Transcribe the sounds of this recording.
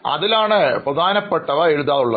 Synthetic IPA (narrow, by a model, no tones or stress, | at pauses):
ɐ̰ðilaːɳɨprɐd̪ʱaːnɐpːeʈːɐʋɐeɻuðaːðuɭːɐ